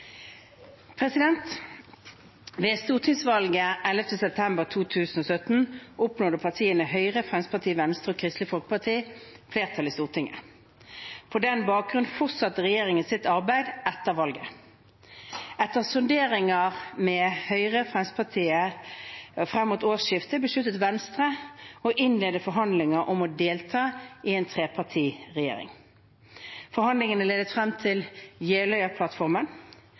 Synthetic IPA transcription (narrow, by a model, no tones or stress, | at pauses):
pʰʁɛsɪd̪ɛnt̪ | ʋeːst̪uːʁt̪ʰɪŋsʋɑlɡəʔɛləft̪əsɛp̚t̪ʰɛmbəʁt̪ʰuːt̪ʰʉːsn̩ɔːsœt̪n̩ʔʊpnoːd̪əpʰɑʁt̪ʰiːənəhœʏʁəfʁɛnspɑʁt̪ʰiːʋɛnst̪əʁɔkʰʁɪst̪lɪfɔlkəpɑt̪ʰiː | fleːʁt̪ʰɑliːst̪uːʁt̪ʰɪŋːə̰ | pʰɔd̪ɛnbɑːk̚ɡʁʉn̩fɔʁtsɑt̪ːəʁɛjeːʁɪŋənsɪt̪ɑʁbæɪd̪ʔɛt̪ːəʁʋɑlɡə | ɛt̪ːəʁsʊnd̪eːʁɪŋɑʁmɛhœʏʁəfʁɛnspʰɑt̪ʰiːə | fʁɛmːuːt̪oːsɪft̪əbəʂʉt̪ːət̪ʋɛnst̪ʁəɔʔɪnleːd̪əfɔɾɦɑnd̪lɪŋəʔɔmɔd̪eːlt̪ʰɑːɪɛːnt̪ʰʁeːpʰɑʁt̪ʰiːʁɛjḛːɾɪ̰ŋ | fɔɾhɑnd̪lɪŋənəleːd̪ət̪fʁɛmt̪ʰɪljeːlœʏəpʰlɑt̪fɔʁmən